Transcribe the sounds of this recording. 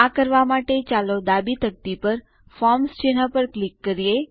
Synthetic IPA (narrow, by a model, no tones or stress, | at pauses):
akəɾʋamaʈet͡ʃalod̪abit̪ək̚t̪ipəɾ | fɔmst͡ʃenapəɾklikːəɾije